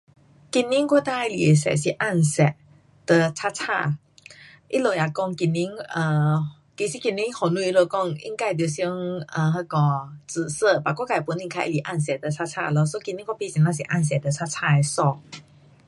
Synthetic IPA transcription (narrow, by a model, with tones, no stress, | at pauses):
ki˧nːi˧˥ŋkɔ˥˧t̪a˥˧i˧˨li˨˩e˨˩sɛ̰˨˩si˨˩ʔa˥˩nsɛ˨˩t̚ | d̪̥ə˧t͡sʰa˦˥t͡sʰa̰˥˧˩ | ʔi˦˥lo˧˩ja˨˧kɔ˥˩ŋki˧nːi˧˥ŋə˧˩ | ki˧˩si˧˦ki˧nːi˦˥ŋhɔ˨˩nu˧i˧˥lo˧˩kɔ˥˧ŋḭ˧˥ŋka˥˩˨t̪jo˧˩sŋə˧˩ɦə˧kɔ˧˩t͡s̩˨˩sə˥˧˨pa˨˩kɔ˥ka˧˩jpu˧˦ni˧ŋkʰa˧˩ʔḭ˧˩li˨˩˨ʔa̰˥˩˨ns̬ɛ˨˩d̪ə˨˩t͡sʰa˥t͡sʰa̰˥˧lɔ˧˦so˧˦ki˧nːi˦ŋkwɔ˥˧pi˧˨si˨˩nã˧˩s̬i˨ʔa˥˩ns̬ɛ˨˩d̪ə˨t͡sʰa˥t͡sʰa˥˩e˨˧sɔ˥˧˩